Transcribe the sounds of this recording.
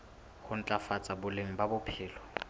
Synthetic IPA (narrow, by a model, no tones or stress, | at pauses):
hʊn̩t͡ɬʼafat͡sʼabʊleŋ̩babʊpʰɪːlɔ